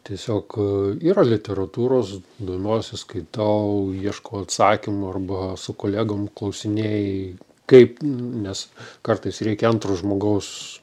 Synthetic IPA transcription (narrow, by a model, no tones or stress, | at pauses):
t̪ʲiɛsʲoːkiːɾɐlʲɪt̪ʲɛɾɐt̪uːɾoːsd̪oːmʲoːsʲɪskɐɪt̪ɐʊiɛʃkɐʊɐt̪sɑːkʲɪmʊɐrbɐsʊkoːlʲæːɡoːmklˠɐʊsʲɪnʲeːj | kɐɪpnʲɛskɐrt̪ɐɪsrʲɛɪkʲɛɐnt̪ɾoːʒmoːɡɐʊs